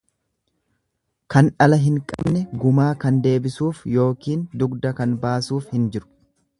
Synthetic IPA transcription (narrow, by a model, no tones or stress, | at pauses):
kɐnᶑɐlɐɦɪŋkʼɐ̰bnɛɡʊmaːkɐnd̪e̞ːbɪsuːfjo̞ːkiːnd̪ʊɡd̪ɐkɐnbaːsuːfhɪnd͡ʒɪɾʊ̥